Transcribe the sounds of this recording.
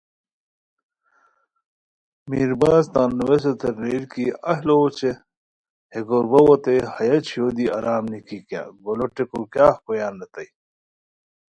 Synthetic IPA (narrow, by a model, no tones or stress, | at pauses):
miɾbaːzt̪ãːnːuwes̬ot̪eɾːeːɾkiɐɦlot͡ɕe | heɡoɾbɐwot̪ehɐjɐt͡ɕʰjoːd̪iɐɾaːmnikikja̰ɡoloʈekokjaːhkojaːnlɐt̪ɐj